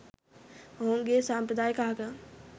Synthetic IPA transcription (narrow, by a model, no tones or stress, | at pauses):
ɦoŋɡesampɾəd̪aːjkaɦka